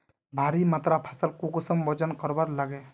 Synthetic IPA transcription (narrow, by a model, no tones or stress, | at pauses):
bʱaɾimat̪ɾapʰasəlkuɡusəmbɔd͡ʒənkəɾbaɾlaɡe